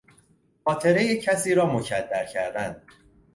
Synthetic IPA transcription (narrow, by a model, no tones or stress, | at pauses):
xɒːt̪ʰe̞ɾejecʰæsiːɾɒːmocʰæd̪ːæɾcʰæɾd̪ænd̪̥̚